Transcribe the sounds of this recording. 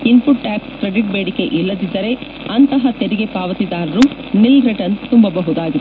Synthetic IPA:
inpʰuʈːaːkskɾeɖiʈ̚beːɽike̞ʔilːɐd̪id̪ːɐɾe̞ | ɐnt̪ɐɦɐt̪eɾiɡe̞paːʋɐt̪id̪aːɾɐɾunilɾeʈɐnst̪umbɐbɐɦud̪aːɡit̪

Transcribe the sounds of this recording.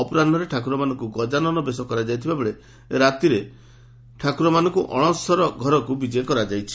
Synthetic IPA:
ɔpɔɾand̪ʱɔɾeʈʰakuɾɔmanɔ̃ŋkuɡɔd͡ʒanɔnɔbesɔkɔɾad͡ʒajt̪ʰibabɔɭe | eɾat̪iɾe | ʈʰakuɾɔmanɔŋkuʔɔɽ̃ɔsɔɾɔɡʱɔɾɔkubid͡ʒɔjekɔɾad͡ʒajt͡ʃʰi̥

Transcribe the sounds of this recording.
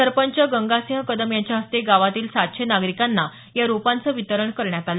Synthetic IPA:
səɾpəɲt͡ɕəɡəŋɡaseɦə̃kəd̪əmjaɲt͡ɕjaɦəst̪eɡaʋat̪iːlsat̪̚ɕʰenaɡɾikanːa | jaɾupãnt͡səːʋit̪əɾəɳkəɾɳjat̪alə

